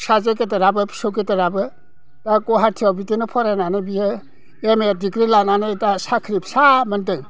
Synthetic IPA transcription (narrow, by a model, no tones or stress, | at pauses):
sazaketɐɾabɯpʰi̥soketɐɾabɯ | takɔɦatʰiabitinɔpʰɔɾananɯbiɯ | emedikɾilananɯtasakʰɾipsamɐntɯŋ